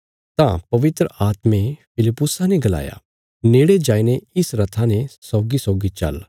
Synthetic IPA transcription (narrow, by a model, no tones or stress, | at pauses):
t̪ã̰pɐʋɪt̪ɾəʔaːt̪mẽpʰɪlɪpːʊsãneɡɐla̰ːja̰ | neːɽed͡ʒaːineɪsɾɐt̪ʰanesɔːɡisɔːɡit͡ʃɐ̰l